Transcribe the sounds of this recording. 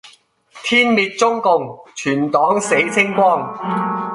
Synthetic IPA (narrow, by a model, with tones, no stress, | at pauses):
t̪ʰiː˥nmiː˨˧t̚t͡sʊ˥ŋkʊ˨˧ŋt͡ʃʰyː˨˩nt̪ɔː˨˥ŋse˨˥jt͡sʰɪ˥ŋkʷɔː˥˩ŋ